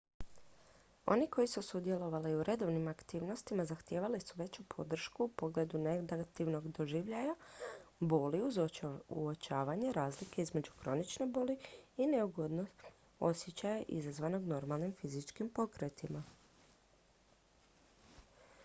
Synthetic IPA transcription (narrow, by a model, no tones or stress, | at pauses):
o̞̰niko̞jisusud̪je̞lo̞ʋaliuɾʔe̞d̪o̞ʋnimakt̪iːʋno̞st̪imazaxt̪jeːʋalisuʋe̞t͡ɕupʰo̞d̪r̩ʃkuːpoɡle̞ːd̪uned̪ɡat̪iʋno̞ɡd̪o̞ʒiːʋʎajabo̞ːli | uot͡ʃaːʋaɲeɾaːzlike̞izme̞d͡ʑuxɾo̞nit͡ʃne̞boːliineuɡod̪no | o̞sjet͡ɕajeʔḭzazʋano̞ɡno̞ɾmalˠnimfizit͡ʃkimpo̞kɾet̪ima